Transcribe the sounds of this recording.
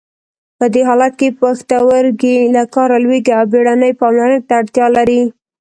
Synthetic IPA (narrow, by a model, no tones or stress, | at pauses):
pəd̪eɦɑlat̪̚kepaxt̪awəɾɡilakɑɾalweɡiawbeɽanəjpɑmlanək̚t̪aːɽt̪jɑlaɾi